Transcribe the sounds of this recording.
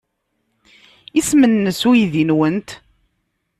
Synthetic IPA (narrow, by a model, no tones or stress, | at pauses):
ismənːəsujðinwənt̪